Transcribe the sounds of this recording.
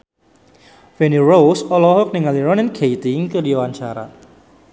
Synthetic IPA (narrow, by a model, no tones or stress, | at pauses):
fɛnirowsɔlɔɦʊk̚niŋaliɾɔnɪnɡʰejt̪ɪŋkədiwaɲt͡ʃaɾa̰